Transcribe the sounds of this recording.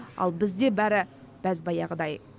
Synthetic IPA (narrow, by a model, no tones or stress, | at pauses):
ɑ̰lˠbɪzd̪e̞bæɾɪ | b̥æzbɑjɑʁəd̪ɑj